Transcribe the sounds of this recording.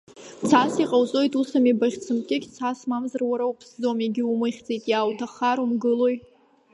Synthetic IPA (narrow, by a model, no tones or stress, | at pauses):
t͡sʰasiqʼawzʼo̞jtʼusamibaχʲt͡sʰɨmkʲʼɪkʲʼt͡sʰasmamzarwaɾaupʰsd͡zo̞meɡʲɪumɨχʲt͡sʼejtʼjaːwtʰaχaɾumɡɨlo̞j